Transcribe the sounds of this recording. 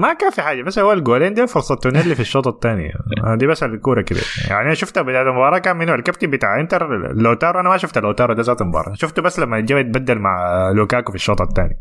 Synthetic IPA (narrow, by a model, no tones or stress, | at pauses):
makaːnfiħaːd͡ʒːamaslhʊwːalɡoːleːnd̪iːfʊɾsˤɑt̪ːunelːifiʃːoːt̪ˤɑt̪ːaːnɪ̰ja̰ad̪iːbasallkuːɾˤɑkɪbḭːɾja̰ʕniʔanaʃʊft̪abɪd̪aːt̪mʊbɑːɾˤɑːkaːmmɪnwalkab̚t̪ibɪt̪a̰ːʕʔɪnt̪alːʔoːt̪ɑːɾwʔanamaʃʊft̪alʔoːt̪ɑːɾˤwd̪aːzat̪mʊbɑ̰ːɾˤɑʃʊft̪ubasːlamːat̪d͡ʒaːbt̪̚bad̪ːalmaʕluːkaːkufiʃːoːt̪ˤɑt̪ːa̰ːnja